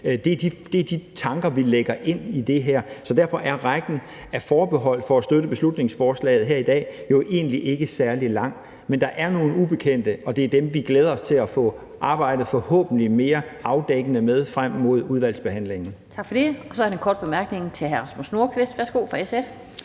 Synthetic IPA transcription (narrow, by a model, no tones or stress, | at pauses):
d̥e̝ɐd̥id̥e̝æɐd̥it͡sʰɑ̈ŋɡ̥ɐʋileɡ̥ɐʔe̝n̰id̥e̝ɦæɐ̰sɒ̽d̥æɐfɒ̽ʔæɐʁaɡ̥n̩ | æfɒːb̥e̝ɦɒ̽l̰fɒ̽æsd̥øɾəb̥e̝slud̥ne̝ŋsfɒːslɛ̰ːɪð̞̩ˠɦeɐ̰id̥ɛ̰ːjo̝ʔe̝̰ːnliʔe̝ɡ̥əsæɐlilɑ̈ŋ̰ | mend̥ɑ̈ʔæɐno̝ːn̩ub̥e̝kʰen̰d̥əʔɒ̽d̥e̝æɐd̥emʋiɡ̥leːð̞ˠɐɒ̽st͡sʰe̝læfɔ̰̽ | ʔɑ̈ːb̥ɑ̈ɪ̰d̥ð̩ˠfɒ̽hɔ̰ːb̥n̩lime̝ːɐɑ̈ʊd̥eɡ̥ənəmeð̞ˠfʁam̰ːmo̝ð̞̰ˠuð̞ˠʋæl̰sb̥e̝hæn̰le̝ŋn̩t͡sʰɑ̈ɡ̥fɒdeɒsɒɐienkɒːd̥̚b̥emæɐɡ̥ne̝ŋt͡sʰe̝ɦæɐʁsmusno̝ɐkʰʋe̝sd̥ʋæɐsɡ̥o̝̰ːfʁɑ̈esef